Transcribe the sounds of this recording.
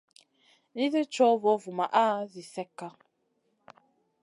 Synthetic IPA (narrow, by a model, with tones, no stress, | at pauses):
ni˦zə˦t͡ʃɔ˦vɔ˨˦vu˨ma˨ʔaː˦zi˨sɛ˦kːa˦